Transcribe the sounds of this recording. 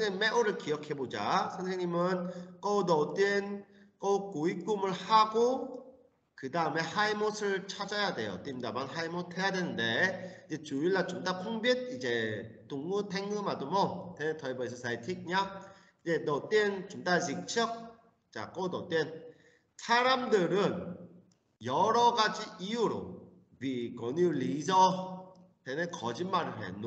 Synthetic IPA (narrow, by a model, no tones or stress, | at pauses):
ŋemːeʔoɾɯɭkijʌkʰe̞bod͡ʑa̰sʰʌŋsʰeŋɲimɯnk͈ʌdʌt͈en | k͈ʌuk͈ːoik͈umɯɭhaɡo | kɯdaɯme̞haimosʰɯɭt͡ɕʰad͡ʑajade̞̰jo̰t͈imdabanɦaimotʰe̞jadwenɯnde̞id͡ʑe̞t͡ɕuiɭːat͡ɕomtapʰuŋbjit̚id͡ʑe̞toŋːutʰeŋɡɯmadomʌtenetʰʌibʌis̬ʰʌsʰaitʰik̚ɲa | id͡ʑenʌt͈ent͡ɕomtad͡ʑik̚t͡ɕʰʌk̚ | t͡ɕa̰k͈onʌt͈en | sʰaɾamdɯɾɯn | jʌɾʌɡad͡ʑiijuɾo̰ | wikʌnuɭizʌ | tenekʌd͡ʑinmaɾɯɭɦḛno